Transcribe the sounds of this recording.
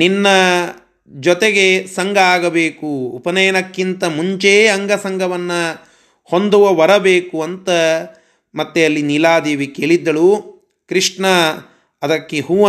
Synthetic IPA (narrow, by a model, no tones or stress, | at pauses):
ninːɐ | d͡ʒɔt̪eɡe̞sɐŋɡʱɐaːɡɐbeːkuːpɐnɐjɐnɐkːint̪ɐmuɲt͡ʃeɐŋɡʱɐsɐŋɡʱɐʋɐnːɐ | hond̪uʋɐʋɐɾɐbeːkuɐnt̪ɐ | mɐt̪ːeɐlːinilaːd̪eːʋikeːɭid̪ːɐɭu | kɾiʂɳɐ | ɐd̪ɐkːeɦuː